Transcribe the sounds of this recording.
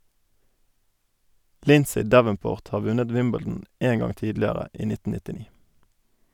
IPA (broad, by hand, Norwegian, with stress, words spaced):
ˈlɪnsɪ ˈdæʋənˌpoːʁt ˈhɑː ˈʋʉnəd ˈwɪmbɛl̩dn̩ ˈeːn ˈɡɑŋ ˈtiːdlɪəʁə ˈiː ˈnɪtn̩ nɪtɪˈniː